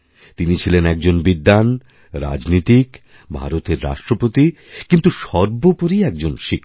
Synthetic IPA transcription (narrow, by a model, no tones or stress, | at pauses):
t̪init͡ɕʰilenɛk̚d͡ʑonbid̪ːan | ɾa̰d͡ʑnit̪ik | bʱa̰ɾot̪eɾːa̰ʃʈɾopot̪i | kint̪uʃɔɾbopoɾiɛk̚d͡ʑonʃikː